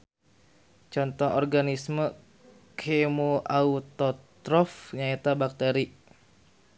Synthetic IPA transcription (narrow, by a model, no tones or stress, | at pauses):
t͡ʃɔnt̪ɔŋɔrɡanismə | kʰemoʔaut̪ɔt̪ɾɔfɲaet̪abak̚t̪eɾi